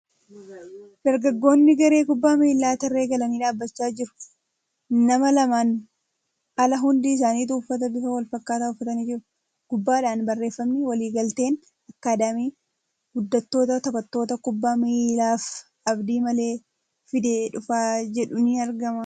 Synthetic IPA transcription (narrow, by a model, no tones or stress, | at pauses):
d̪̥ɐɾɡɐɡːo̞ːnːɪɡɐɾe̞ːkʊbːaːmilːaːt̪ɐrːe̞ːɡɐlɐniːᶑaːbːɐt͡ʃːaːd͡ʒɪɾʊ̥ | nɐmɐlɐmaːn | ɐlɐɦʊnd̪iːɪs̬aːniːt̪̬uːfːɐt̪ɐbɪfɐwɐlfɐkːaːt̪aːʊfːɐt̪ɐniːd͡ʒɪɾʊ | ɡ̥ʊbːaːᶑaːnbɐrːe̞ːfːɐmːɪwɐliːɡɐlt̪e̞ːn | ɐkːaːd̪ɐmiː | ɡ̥ʊd̪ːɐt̪ːo̞ːt̪ɐt̪ɐkɐt̪ːo̞ːt̪ɐkʊbːaːmilaːf | ʔɐbd̪iːmɐle̞ː | fɪd̪eːᶑʊfaːd͡ʒɛᶑʊnɪɐɾɡɐmɐ